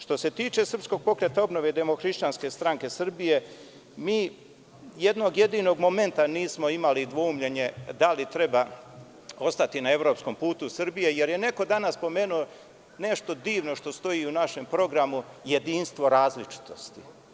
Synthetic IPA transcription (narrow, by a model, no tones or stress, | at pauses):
ʃt̪o̞se̞t̪iːt͡ʃe̞sr̩psko̞ɡ̚po̞kɾet̪aobnoʋe̞d̪emo̞xɾiʃt͡ɕanske̞st̪ɾaŋke̞sr̩bije̞ | miː | jed̪no̞ɡje̞d̪iːno̞ɡmo̞me̞nt̪aniːsmo̞imalid̪ʋoumʎe̞ɲe̞d̪alit̪ɾe̞ba | o̞st̪at̪inae̞ʋɾo̞psko̞mpuːt̪usr̩bije̞je̞ɾjene̞ko̞d̪anasːpo̞me̞ːnuo | ne̞ʃt̪o̞d̪iːʋno̞ʃt̪o̞st̪o̞jiːunaʃe̞mpɾo̞ɡɾamuje̞d̪iːnst̪ʋo̞ɾaːzlit͡ʃi̥t̪o̞st̪i